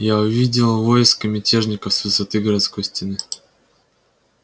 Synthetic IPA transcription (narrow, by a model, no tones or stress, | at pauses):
jaʊvʲidʲɪlˠvojɪskəmʲɪtʲeʐnʲɪkəfsvɨsɐt̪ɨɡəɾɐt̪skojsʲtʲɪnɨ